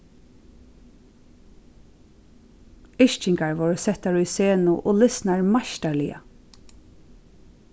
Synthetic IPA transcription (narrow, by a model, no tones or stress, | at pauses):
ɪʃt͡ʃɪŋkaɹʋɔːɾsɛht̪aɹʊjseːnʊʔɔːlɪsnaɹmaʃt̪aɹlɪja̰